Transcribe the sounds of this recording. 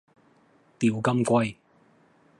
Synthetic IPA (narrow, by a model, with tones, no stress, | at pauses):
t̪i˨˩wkɐ˥mkʷɐ˥j